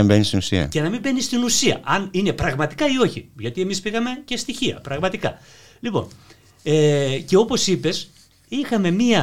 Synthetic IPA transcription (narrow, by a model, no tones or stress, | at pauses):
embenist̪inusiɐ̰cenɐmimbe̞nist̪inusiɐ̰ʔɐnine̞pɾɐɣmɐt̪i̥kɐio̞çiʝɐt̪ie̞mispiɣɐme̞ce̞st̪içiɐ̰pɾɐɣmɐt̪ikɐ̰ | lipo̞̰n | ece̞o̞po̞sipe̞s | ixɐme̞miɐ